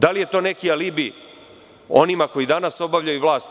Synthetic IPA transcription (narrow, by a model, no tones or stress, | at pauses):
d̪alije̞t̪o̞ːne̞kialibi | o̞̰nimako̞jid̪anaso̞baʋʎajuʋlˠaːst̪